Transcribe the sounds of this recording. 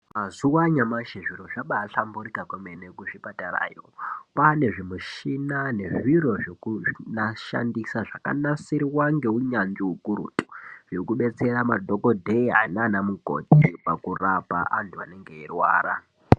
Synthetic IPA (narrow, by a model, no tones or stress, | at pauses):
mazuwaɲamaʃeʐiɾo̞ʐaɓaːɬambuɾikakwemenekuʐipatara̰ːjo̰pane̞ʐimuʃinane̞ʐiɾo̞ʐekunaʃa̰ndisaʐaka̰nasiɾiwaŋɡe̞uɲand͡ʒiukuɾṵtʼu̥ʐekuɓe̞t͡se̞ɾamadʱokodʱeia̰inanamuɡʱo̞̰tipakurapa̰ʔantuane̞ŋɡe̞irwa̰ːra̰